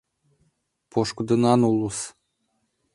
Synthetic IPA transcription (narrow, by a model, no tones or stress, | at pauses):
poʃkd̪ɤ̆nɑnulˠus